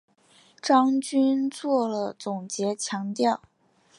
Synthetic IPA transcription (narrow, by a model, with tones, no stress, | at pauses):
ʈ͡ʂɑ˥ŋt͡ɕy˥nt͡swɔ˥˩lə˩t͡sʊ˨˩ŋt͡ɕjɛ˧˥t͡ɕʰjɑ˧˥ŋt̪jɑ˥˩ʊ